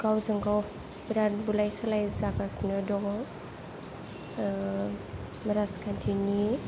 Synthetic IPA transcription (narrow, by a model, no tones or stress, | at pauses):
ɡ̥awzaŋɡaw | biɾanbulajsalajzakasnɯdɔɡɔŋ | miɾaskʰantʰini